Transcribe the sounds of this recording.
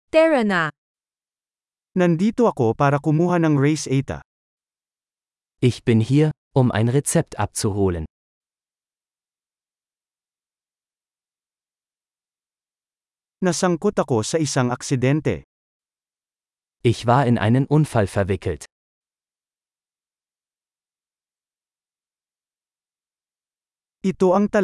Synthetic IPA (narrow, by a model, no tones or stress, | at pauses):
t̪ɛɹɐna | nɐnd̪iːt̪oɐko̞paːɾɐkʊmuːɦɐnɐŋɹɛjsʔɛjt̪ɐ̰ | ʔɪçb̥ɪnhiːɐ | ʔʊmʔa̰ɪnʁɛt͡sɛp̚tʔa̰p̚t͡suɦoːlən | nɐsɐŋkot̪ɐko̞sɐʔɪsaŋɐksɪd̪ɛnt̪ɛ̰ | ʔɪçv̥aːɐɪnʔa̰ɪnənʔʊnfalfɛɐvɪkʰl̩t | ʔɪt̪o̞ʔɐŋt̪ɐ